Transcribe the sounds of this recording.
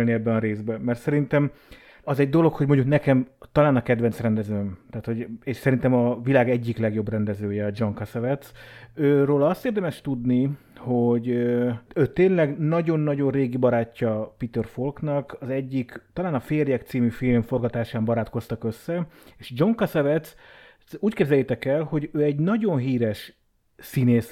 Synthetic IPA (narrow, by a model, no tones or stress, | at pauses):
lniɛbːɛɒɾeːzbɛmɛrt̪sɛɾint̪ɛm | ɒzɛɟd̪o̞lo̞khoɟmo̞ɲɟuknɛkɛmt̪ɒlaːnɒkɛd̪ʋɛnt̪srɛnd̪ɛzøːmt̪aːt̪ho̞ɟeːʃsɛɾint̪ɛmɒvilaːɡɛɟːiklɛɡjo̞brɛnd̪ɛzøːjɛd͡ʒo̞ŋkɒsɛvɛt̪søːroːlɒɒst̪eːrd̪ɛmɛʃt̪ud̪ni | hoɟ | øːt̪eːnlɛɡnɒɟo̞nːɒɟo̞nreːɡibɒɾaːcːɒpit̪ɛrfolknɒkɒzɛɟːikt̪ɒlaːnɒfeːrjɛkt̪siːmyfilmfo̞rɡɒt̪aːʃaːmbɒɾaːt̪ko̞st̪ɒkøsːɛeːʃd͡ʒo̞ŋkɒsɛvɛt̪s | uːckɛbzɛljɛt̪ɛkɛlho̞ɟøːɛɟnɒɟo̞nɦiːɾɛʃ | sineːs